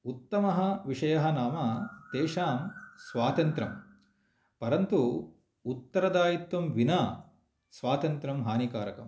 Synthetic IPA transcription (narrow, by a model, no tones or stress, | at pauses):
ut̪ːɐmɐɦɐ̆ʋiʂɐjɐɦɐnaːmɐt̪eːʂaːmsʋaːt̪ɐnt̪ɾɐm | pɐɾɐnt̪u | ut̪ːɐɾɐd̪aːjit̪ʋɐmʋinaː | sʋaːt̪ɐnt̪ɾɐmɦaːnikaːɾɐkɐ̰m